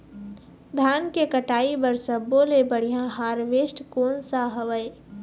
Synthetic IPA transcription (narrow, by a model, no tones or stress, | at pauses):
d̪ʱjaːnkekəʈaːibəɾsəboːlebəɽ̤ijãɦaːɾʋeːʃʈkoːnsaɦəʋəe